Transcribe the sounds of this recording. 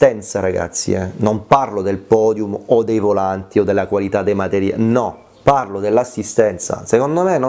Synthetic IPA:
t̪ɛnt̪saɾaɡa̰t̪sːḭɛnomparlod̪elpɔːd̪jumod̪ːejvolant̪iod̪ːelːakwalit̪ad̪ːejmat̪ɛɾja̰nɔ | parlod̪elːasːist̪ɛnt̪sa̰sekond̪omeno

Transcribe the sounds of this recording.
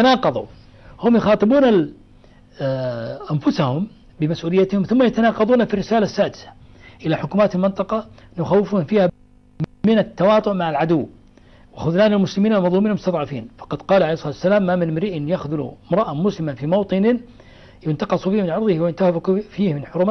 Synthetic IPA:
anɑːqɑðˤṵ | hʊmjʊxɑːt̪ˤɨbuːna | ʔanfʊsahʊm | bɪmasʔuːlɪjːat̪hʊmθʊmːajat̪anɑːqɑðˤuːnafirːɪsaːlasːaːd̪ɪsḁ | ʔɪlaħʊkuːmaːt̪almɪnt̪ˤɑqɑnjʊxawːɪfuːnfiːha | mɪnat̪ːɑwɑːt̪ˤʊʔmaʕalʕad̪ʊwː | wɪxʊðnaːnɪlmʊslɪmiːnalmɑðˤlumiːnmʊst̪ɑðˤʕɑfiːnfɑ̥qɑd̪qɑːlʕaleːhsˤɑɑːt̪wasːalaːmːamɪnmɾiʔɪnjaxðʊlṵɪmɾˤɑʔamʊslɪmanfimɑwt̪ˤɨnɪ | jʊnt̪ɑqɑsˤufiːhmɪnʕɑɾˤðˤɨhwjɪnt̪ahfiːhmɪnħʊɾuːma

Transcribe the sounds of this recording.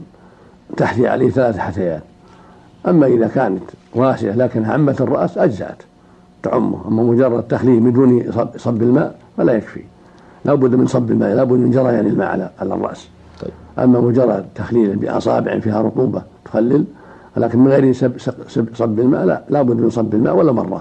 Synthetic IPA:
t̪aħt̪iʕa̰leːhθalaːθħat̪ajaːt̪ | ʔamːaʔɪðakaːnat̪waːsɪʔalaːkɪnʕamːat̪ɨrˤːɑ̰ʔsʔad͡ʒza̰ʔa̰t̪ | t̪aʕʊmːʊ̰ʔamːamʊd͡ʒɑrˤːɑd̪̚t̪ːaxliːlmɪd̪uːnɑsˤɑbːɪlmaːʔfalajakfḭ | lʔaːbʊd̪ːmɪnsˤɑbːɪlma̰ːʔlaːbʊd̪ːmɪnd͡ʒɑɾˤɑjaːnɪlma̰ːʕa̰laʕa̰la̰rˤːɑ̰ʔs | ʔa̰mːamʊd͡ʒɑrˤːɑd̪̚t̪ʰaxliːlbɪ̰ʔɑ̰sˤɑ̰ːbɪʕɪ̰nfiːhaɾˤʊt̪ˤuːbɑt̪ʊ̥xalːɪl | lʔaːkɪnmɪnɣejɾsssabsˤɑbːɪlma̰ːʔla̰labʊd̪ːmɪnsˤɑbːɪlma̰ːʔwalːamɑ̰rˤːɑ̰

